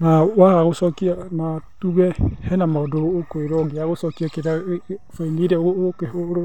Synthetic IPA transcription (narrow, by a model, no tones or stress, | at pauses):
nawahaɣosokianatuɣɛhɛnamadokweɾoɡiaɣosokiakeɾafeiniɾɛokehoɾo